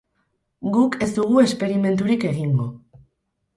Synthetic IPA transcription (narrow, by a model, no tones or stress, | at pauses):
ɡuke̞zd̪uɣ̞ue̞spe̞ɾime̞nt̪̬uɾike̞ɣiŋɡo̞